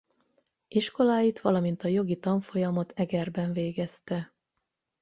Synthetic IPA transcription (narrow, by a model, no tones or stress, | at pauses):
iʃko̞laːjit̪ʋɒlɒmin̪t̪ɒjo̞ɡit̪ɒɱfo̞jɒmɒt̪ɛɡɛrbɛɱveːɡɛst̪ɛ